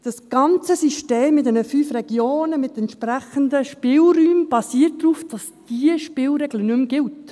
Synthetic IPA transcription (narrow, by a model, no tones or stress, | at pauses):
d̥ɑsɡ̥ɑnt͡səsiʃteːmːɪtdɛnəfyːfrɛɡjoːnəmɪtɛntʃpɾæχəndəʃpɪːlryːmb̥ɑsiːət̚dɾuːfd̥ɑs | d̥iəʃpɪːlɾɛɡlənʏmɡɪlt